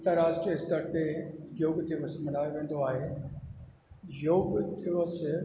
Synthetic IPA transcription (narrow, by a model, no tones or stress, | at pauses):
ɐ̃nt̪əɾaːsʈɾiɪst̪əɾk̪ʰejoːɡd̪ɪʋəsmɐnaːjoʋẽːn̆d̪oaːɦe | joːɡd̪ɪʋəs